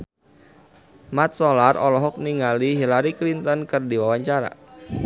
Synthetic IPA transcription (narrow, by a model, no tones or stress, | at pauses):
mat̪̚sɔlarɔlɔɦɔk̚niŋaliɦilaɾiklint̪ɔnkɨrdiwawaɲt͡ʃaɾa̰